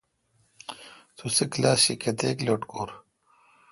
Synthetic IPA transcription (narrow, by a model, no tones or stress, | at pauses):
t̪ʰusiklaːsɕiket̪eːkloːʈkoːɾ